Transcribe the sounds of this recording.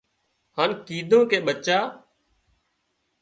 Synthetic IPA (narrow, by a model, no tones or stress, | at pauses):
haːnkiːd̪ʱõːkeːɓət͡ʃaː